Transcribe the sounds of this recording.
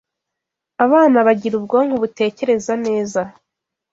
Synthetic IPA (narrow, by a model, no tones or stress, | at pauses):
aβaːnaβaɟiɾub̚ɡo̞ŋ̥huβute̞ːce̞ɾe̞zane̞ːza